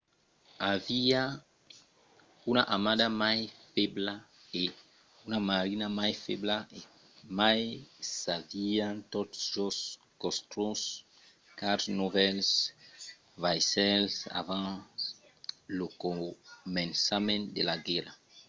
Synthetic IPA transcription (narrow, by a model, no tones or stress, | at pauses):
avia | unaʔamad̪amajfebla | e | unamaɾinamajfeblae | majsaviãt̪od̪sos | kost̪ɾõs | kaɾsnovɛls | vajsɛlsa̰vã | lokomẽnsamẽnd̪elaɡɛɾa